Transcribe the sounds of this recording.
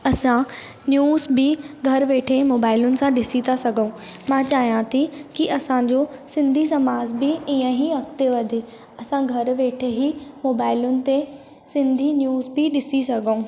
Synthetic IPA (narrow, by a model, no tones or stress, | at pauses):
ɐsã | njuːzbɪɡʱɐɾʋeːʈʰemoːbaːɪlʊnɪ̆sãɗɪsit̪ʰasɐɡʱəũmãːt͡ɕaːɦijãt̪ʰikiʔɐsãd͡ʑosɪ̃nd̪ʱis̬ɐmaːzbiiːə̃ɦiʋɐkt̪eʋɐd̪ʱe | ɐsãɡʱɐɾʋeːʈʰeɦimoːbaːɪlʊnɪ̆t̪e | sɪ̃nd̪ʱinjuːzbɪɗɪsisɐɡʱəũː